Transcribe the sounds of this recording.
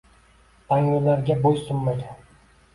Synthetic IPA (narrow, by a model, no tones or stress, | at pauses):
p̪ʰaŋʊlaɾɡʲabojsʊmːajd̪ɪ